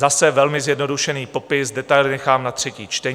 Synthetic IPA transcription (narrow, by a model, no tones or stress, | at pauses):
zasɛvɛlmɪzjɛdno̞duʃɛniːpo̞pɪsdɛt̪ajlɪnɛxaːmnat̪r̝̥ɛciːt͡ʃt̪ɛ